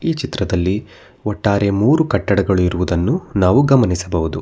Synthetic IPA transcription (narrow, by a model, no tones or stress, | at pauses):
iːt͡ʃit̪ɾɐd̪ɐlːi | ɔʈːaːɾe̞muːɾukɐʈːɐɽɐɡɐɭuiɾuʋud̪ɐnːunaːʋuɡɐmɐnisɐbɐʋud̪u